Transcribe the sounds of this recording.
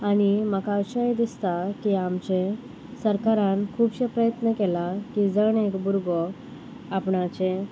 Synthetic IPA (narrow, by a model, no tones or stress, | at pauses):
añiməkaɕəjd̪ist̪akiamt͡ɕẽ | səɾkaɾãnkʰuːbɕepɾəjət̪nəkɛlakid͡zəɳekbuɾɡɔ | apɳat͡ɕẽ